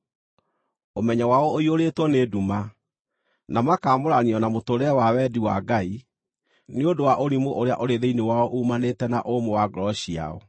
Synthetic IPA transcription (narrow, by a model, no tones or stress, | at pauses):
omɛɲawaɔoioɾetwɔneduma | namakaːmoɾaniɔnamotoɾɛɛwawɛdiwa̰ɡai | neodowaʔoɾimoʔoɾea̰ʔoɾeðeinewaɔʔuːmanetɛna̰ʔomowaɡɾɔɕia̰ɔ̰